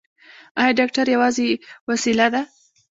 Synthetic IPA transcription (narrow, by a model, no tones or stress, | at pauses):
ɑjɑɖɑk̚ʈaɾjawɑzewasilad̪a